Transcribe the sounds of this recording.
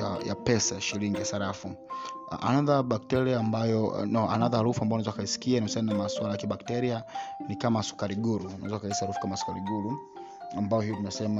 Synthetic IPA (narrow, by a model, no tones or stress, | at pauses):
ajapɛsaʃiliŋɡiasaɾafuʔa̰naðaɓak̚tɛɾiaːmbajɔnɔa̰naðahaɾufuambaɔnaɛzakaisi̥kianisaninamaswalajakiɓaktɛɾianikamasu̥kaɾiɡuɾuuna̰ɛzakaisahaɾufu̥kamasu̥kaɾiɡuɾu | ambajɔhijɔtumɛsɛma